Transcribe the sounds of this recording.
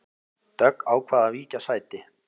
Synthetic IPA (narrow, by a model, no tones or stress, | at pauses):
t̪œkaːwkʰvaːðaviːcasaːjt̪ɪ